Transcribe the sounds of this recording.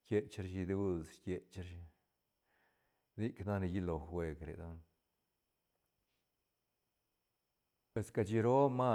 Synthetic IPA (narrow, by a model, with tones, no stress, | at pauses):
kje˧t͡ʃɾʃi˧d̪u˦skje˧t͡ʃɾʃi˧ | d̪i˦kna˦ni˧ji˦lo˨xwe˧kɾḛ˨d̪o˦n | pwe˨ska˧t͡ʃi˧ɾo˦ma˦